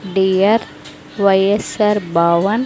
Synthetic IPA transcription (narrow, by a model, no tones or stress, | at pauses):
ɖiɐɾ | ʋɐjesɐɾbaːʋɐn